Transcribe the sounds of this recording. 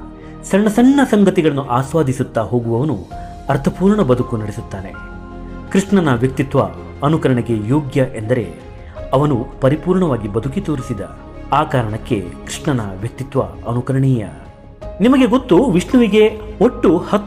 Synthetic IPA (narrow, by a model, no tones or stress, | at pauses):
sɐɳːɐsɐɳːɐsɐŋɡɐt̪iɡɐɭɐnːuʔaːsʋaːd̪ʱisut̪ːaɦo̞ːɡuʋɐʋɐnṵ | ɐɾt̪ʰɐpuːɾɳɐbɐd̪ukunɐɽesut̪ːaːnḛ | kɾiʂɳɐnɐʋjɐk̚t̪it̪ʋɐ̰ | ɐnukɐɾɐɳeɡe̞joːɡjɐʔe̞nd̪ɐɾe̞̰ | ɐʋɐnupɐɾipuːɾɳɐʋaːɡibɐd̪ʱukit̪oːɾisid̪ɐ̰ | aːkaːɾɐɳɐkːe̞̰kɾiʂɳɐnɐʋjɐk̚t̪it̪ʋɐ̰ɐnukɐɾɐɳɛːjɐ̰ | nimɐɡe̞ɡot̪ːuʋiʂɳɐʋiɡe̞oʈːuhɐ